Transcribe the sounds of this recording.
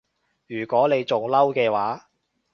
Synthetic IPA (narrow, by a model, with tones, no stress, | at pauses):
jyː˨˩kʷɔː˨˥ne˨˧jt͡sʊ˨ŋlɐ˥wkɛː˧waː˨˥